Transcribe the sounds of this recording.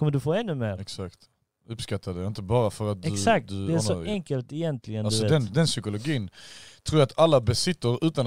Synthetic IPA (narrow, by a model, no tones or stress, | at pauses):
kʰɔmːəɖɵfoːɛnːʉmeːɾɛksakt̪ | ɵpskat̪ʰːad̪ɛɪnt̪əbɑːɾafœɾat̪̚dɛɵsad̪ɵd̪ɛæɔɛŋkəlt̪ɛjɛnt̪ʰlɪɡənalsɔd̪ɛnd̪ɛnsʏkʊlʊɡiːnt̪ʰɾuːɾjat̪ʰalːabɛsɪt̪ːəɾʉ̟ːt̪an